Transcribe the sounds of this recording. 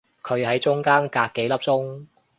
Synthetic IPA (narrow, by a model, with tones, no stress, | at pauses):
kʰɵ˨˧ɥhɐ˨˥jt͡ʃʊ˥ŋkaː˥nkaː˧kːe˨˥jlɐ˥p̚t͡sʊ˥ŋ